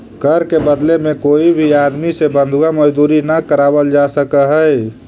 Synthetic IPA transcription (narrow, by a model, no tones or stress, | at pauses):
kəɾkebəd̪lemẽkoːibʱiad̪misebə̃nd̪ʱuɡaməd͡ʒd̪uːɾinakəɾaːbəld͡ʒasəkəɦəj